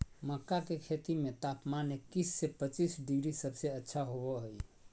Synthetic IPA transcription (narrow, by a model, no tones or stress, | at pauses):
məkːakekʰet̪imet̪apmanekisːepət͡ʃisɖiɡɾisəbseətːʃʰaɦobɔɦoj